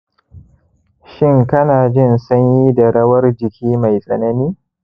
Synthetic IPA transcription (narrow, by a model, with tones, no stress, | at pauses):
ʃɪ˦ŋkɐ˦naː˨d͡ʒɪ˦˨nsɐ˦ɲji˦da˨ɽɐ˦wɐ˦rd͡ʒɪ˨kʲʰiː˦ma˨jsʼɐ˨nɐ˦niː˦